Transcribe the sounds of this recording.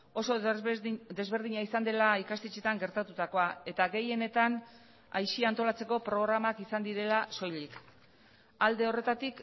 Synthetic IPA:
o̞so̞ | d̪e̞zβe̞ɾð̞iɲaisand̪e̞laikast̪et͡ʃet̪aŋɡe̞ɾt̪at̪ut̪ako̞ae̞t̪aɡe̞je̞ne̞t̪an | ajʃiant̪o̞lat͡se̞ko̞pɾo̞ɣ̞ɾamakisand̪iɾe̞laso̞jʎik | ald̪e̞o̞re̞t̪at̪ik

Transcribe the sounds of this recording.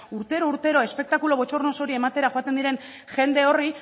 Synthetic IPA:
uɾt̪e̞ɾouɾt̪e̞ɾo̞e̞spe̞k̚t̪akulo̞βo̞t͡ʃo̞rno̞so̞ɾie̞mat̪e̞ɾaxoat̪end̪iɾe̞n | ʝe̞nd̪e̞o̞ri

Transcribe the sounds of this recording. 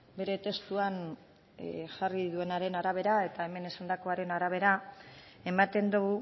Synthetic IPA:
be̞ɾe̞t̪e̞st̪uan | ʝariðue̞naɾe̞naɾaβ̞e̞ɾae̞t̪ae̞me̞ne̞sand̪ako̞aɾe̞naɾaβ̞e̞ɾa | e̞mat̪e̞nd̪uɣu

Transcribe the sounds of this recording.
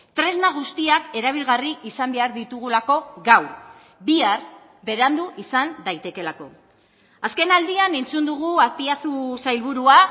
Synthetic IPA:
t̪ɾe̞znaɣ̞ust̪iake̞ɾaβ̞ilɣariisambe̞aɾðit̪uɣ̞ulako̞ɣaw | biaɾ | be̞ɾand̪uʔisand̪ajt̪e̞ke̞lako̞̰ | aske̞nald̪iane̞nt͡sund̪uɣ̞uapiasusajlβuɾua

